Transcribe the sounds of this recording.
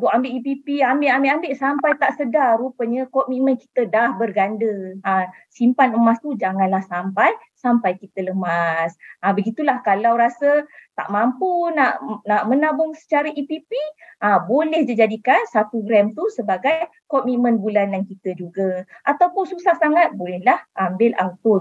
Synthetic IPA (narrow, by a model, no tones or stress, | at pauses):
ɡɔʔambeʔipipiambeʔambeʔambeʔsampajt̪aʔsədarupəɲəkɔmimə̃nki̥t̪ədahbərɡandəa | simpanəmast̪ud͡ʒaŋãnlahsampaj | sampajkit̪ələmasabəɡit̪ulahkalawɾasət̪a̰ʔmampunaʔnaʔmənabʊŋsə̥t͡ʃaɾaʔipipiʔabolɛhd͡ʒid͡ʒadikansat̪uɡɾɛmt̪usəbaɡaj | kɔmimə̃nbulanjankit̪əd͡ʒuɡaʔat̪awpʊnsusahsaŋat̪̚bolɛhlahʔambɪlʔaŋt̪ʊ